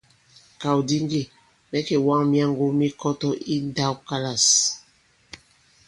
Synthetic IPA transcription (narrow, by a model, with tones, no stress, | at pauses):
ka˨wdi˦ŋ˦ɡe˨ | mɛ˦ke˨wa˦ŋmja˦ŋ˦ɡo˦mi˦kɔ˦tɔ˦ʔi˦nda˦wka˦la˨s